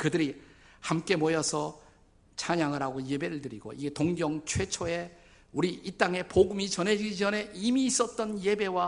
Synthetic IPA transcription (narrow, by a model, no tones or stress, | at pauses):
kɯdɯɾihamk͈e̞mojʌsʰʌ | t͡ɕʰaɲaŋɯɾaɡoje̞be̞ɾɯɭtɯɾiɡo̰iɡe̞toŋɡjʌŋt͡ɕʰwe̞t͡ɕʰoe̞ | uɾiit͈aŋe̞poɡɯmit͡ɕʌne̞d͡ʑiɡid͡ʑʌne̞imiːs͈ʌt̚t͈ʌnje̞be̞wa